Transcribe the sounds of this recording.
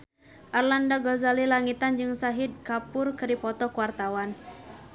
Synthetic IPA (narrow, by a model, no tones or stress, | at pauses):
ʔarlandaɡɔzalilaŋit̪and͡ʒɨŋsaɦid̪̚kapʊrkɨɾipɔt̪ɔkuwart̪awan